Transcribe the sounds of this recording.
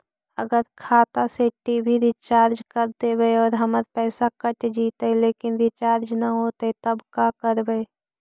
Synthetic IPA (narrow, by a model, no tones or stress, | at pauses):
əɡəɾkʰaːt̪aseʈiːbʱiɾɪt͡ʃaːɾd͡ʒkəɾt̪ebeeɔːɾɦəməɾpɛːsakəʈd͡ʒiːt̪eleːkɪnɾɪt͡ʃaːɾd͡ʒnaɦoːt̪et̪əbkaːkəɾbee